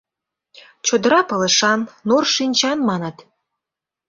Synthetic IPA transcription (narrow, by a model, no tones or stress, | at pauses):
t͡ɕod̪əɾɑpɤlə̆ʃɑnːorʃinʲt͡ɕɑnmɑnɤ̆t̪